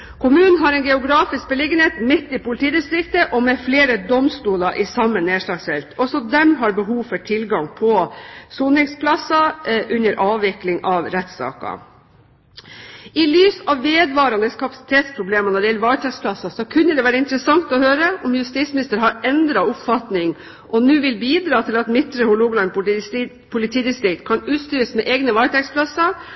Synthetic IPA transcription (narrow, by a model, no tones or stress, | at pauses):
kʰʊmʉːnən̩ɦɑɾɛɪnɡɛʊɡɾɑːfɪsk̚bəlɪɡənheːt̪mɪt̪ːɪpʊlɪt̪ʰiːd̪ɪst̪ɾɪkt̪əʔɔmɛfleːɾəd̪ɔmst̪uːlɑʔɪsɑmːəneːʂlɑːɡsfɛlt̪ʰɔsɔd̪ɛmɦɑɾbəɦuːʋfɔʈʰɪlɡɑŋpʰɔsuːnɪŋspʰlɑsɑʔʉnːəɾʔɑːʋɪklɪŋʔɑʋɾɛt̪ːsɑ̰ːkɑ̰ | ɪlyːsɑʋʋeːd̪ʋɑːɾɑnəskʰɑpɑsɪ̥t̪ʰeːt̪spʰɾʊbleːmɑnɔɖ̪ɛjɛlːəʋɑːɾt̪ʰɛkspʰlɑsɑsɔkʰʉnːəd̪ɛʋæːɾəɪnt̪əɾəsɑŋt̪ɔhøːɾəʔɔmjʉst̪ismɪnɪst̪əɾɦɑɾɛnd̪ɾɑʊpfɑt̪nɪŋ | ʔɔnʉːʋɪlbiːd̪ɾɑːt̪ʰɪlɑt̪mɪt̪ːɾəhʊɭuːɡlɑn | pʰʊlɪt̪ʰiːd̪ɪst̪ɾɪkt̪kʰɑnʉːt̪st̪yːɾəsmɛʔeːɡnəʋɑːɾt̪ʰɛkspʰlɑsːɑ